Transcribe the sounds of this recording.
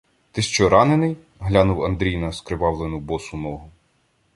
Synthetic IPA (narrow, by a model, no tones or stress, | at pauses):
t̪ɪʃt͡ʃɔɾɑnenɪj | ɦlʲanuwɐnd̪ɾʲijnɐskɾɪʋɑwlˠenʊbɔsʊnɔɦʊ